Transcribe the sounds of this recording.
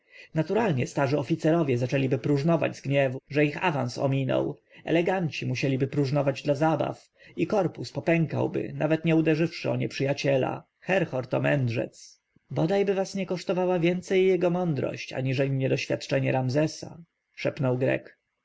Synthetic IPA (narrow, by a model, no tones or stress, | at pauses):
nat̪uɾalɲɛst̪aʐɘɔfʲit̪sɛɾɔvʲjɛzat͡ʂɛlʲibɘpɾuʐnɔva̰d͡ʑzɡɲɛvuʐɛixavã̰ñsɔ̰mʲinɔ̰wʔɛ̰lɛɡaɲt͡ɕimuɕɛlʲibɘpɾuʐnɔvad͡ʑd̪lazaba̰f | ikɔɾpuspɔpɛŋka̰wbɘ̰navɛt̪ɲɛud̪ɛʐɘfʂɘɔɲɛpʂɘjat͡ɕɛla̰ | xɛɾxɔɾt̪ɔmɛnd̪ʐɛ̰t̪s | bɔd̪ajbɘvasɲɛkɔʂt̪ɔvawavʲjɛnt̪sɛjːɛɡɔmɔnd̪ɾɔ̰ɕt͡ɕa̰ɲiʐɛlʲiɲɛd̪ɔɕfʲjat̪t͡ʂɛɲɛɾamzɛsa̰ | ʂɛpnɔwɡɾɛ̰k